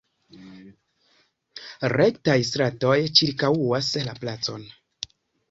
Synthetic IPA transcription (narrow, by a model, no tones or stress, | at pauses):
ɾe̞ktajs̬tɾato̞jt͡ʃiɾkawuaslaplat͡so̞n